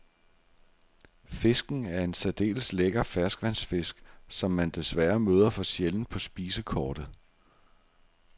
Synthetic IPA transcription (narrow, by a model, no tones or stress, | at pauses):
fe̝sɡ̥n̩æɐe̝nsɛd̥e̝̰ːl̩sleɡ̥ɐfæɐsɡ̥ʋæn̰sfe̝sɡ̥sɒ̽mːænd̥e̝sʋæɐmøːð̞ˠɐfɒ̽ɕjeln̩pʰɒ̽sb̥iːsəkʰɒːd̥ð̩ˠ